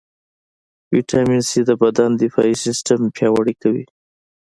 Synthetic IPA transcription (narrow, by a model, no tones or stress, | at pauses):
wiʈʰaminsid̪əbad̪and̪ɪfɑisɪsʈampjɑwaɽikawḭ